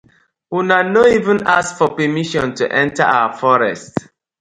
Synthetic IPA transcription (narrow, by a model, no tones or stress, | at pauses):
hunanoivɛ̃naskfɔpɛmiʃɔ̃ntṵʔɛ̃ntaʔawafɔɹɛ̰st